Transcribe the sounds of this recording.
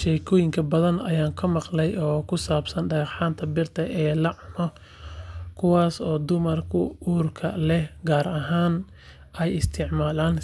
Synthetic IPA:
ʃɛjkʰɔːjɪŋkʰɐbɐðɐnɐjaːŋkʰɐmɑqlɛjɔːkʰʊsaːbsɐnɖɐɣɑħaːnt̪ʰɐbɪrt̪ʰɐʔɛːlɐʕʊnɔ | kʰʊwaːsɔːd̪ʊmɐrkʰʊuːrkʰɐlɛhɡaːɾɐɦaːn | ɛjɪst̪ʰɪʕmaːlaːn

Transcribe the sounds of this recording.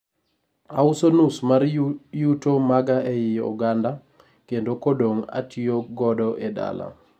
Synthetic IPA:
aʊsonusmaɾjutomaɡaɛjɪṵɡanda | kendokodoŋa̰tʰioɡɔdɔʔeda̰la̰

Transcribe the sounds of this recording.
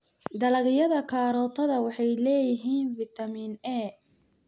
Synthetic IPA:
d̪ɐlɐɣɪjɐðɐkʰaːɾɔːt̪ʰɐðɐwɑħɑjlɛːjɪɦiːnfɪt̪ʰɐmiːnɛː

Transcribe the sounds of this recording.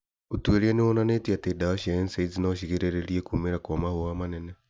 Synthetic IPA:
otweɾianewɔnanetiatedaɔʃiaensaizinaʃiɣeɾeɾeɾiekumeɾakwɔmahowamanɛnɛ

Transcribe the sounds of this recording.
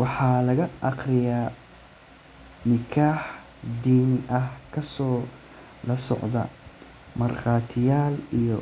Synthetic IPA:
wɑħɑlɐɣɐʔɑqrɪjaː | nɪkʰaːħ | d̪iːnʔɐhkʰɐsɔː | lɐsɔ̰ʕd̪ɐ̰ | mɐrqɑːt̪ʰɪjaːlijɔ

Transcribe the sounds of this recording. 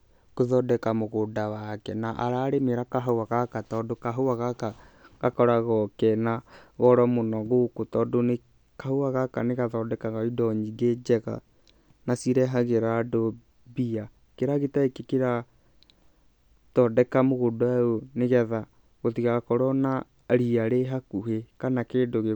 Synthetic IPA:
koðɔdɛkamoɣodawakɛnaʔa̰ɾaːɾemeɾakaɦawaɣakatɔdokaɦowaɣaka | ɣakɔɾaɣɔkɛnaɣɔɾɔmonɔɣokotɔdone | kahowaɣakaneɣaðɔdɛkaɣaidɔɲiɡed͡ʒɛɣa̰ | nasiɾɛɦaɣeɾado | bia | keɾaɣetaekekeɾa | tɔdɛkamoɣodoɛoneɣɛða | ɣotiɣaɣakɔɾɔna | ɾiaɾeɦakuɦekanakeːdoɣe

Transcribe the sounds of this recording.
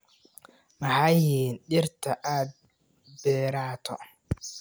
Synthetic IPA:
mɐhajiːnɗɪɾt̪ʰɐʔaːd̪̚ | bɛːɾaːt̪ʰɔ̰

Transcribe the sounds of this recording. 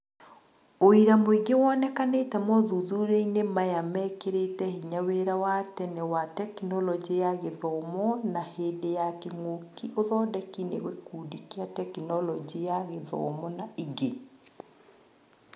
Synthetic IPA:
oiɾamoiɡewɔnɛkaneːtɛmɔðuðuɾeinemajamɛkeɾetɛhiɲaweɾawatɛnɛwatɛkinɔlɔd͡ʒiejaɣeðɔmɔnaheːdejakeŋokiʔoðɔːdɛkineɣwekuːdikiatɛkinɔlɔd͡ʒiejaɣeðɔ̰mɔnaiɡe

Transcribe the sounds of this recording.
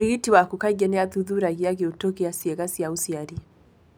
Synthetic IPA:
iɣitiwakukaɡɛnɛaðuðuɾaɣiaɣiutɔkiasiɛɣasiausiaɾi

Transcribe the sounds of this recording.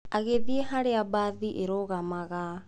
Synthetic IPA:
aɣeðieɦaɾeabaːðiʔeɾɔɣamaɣa

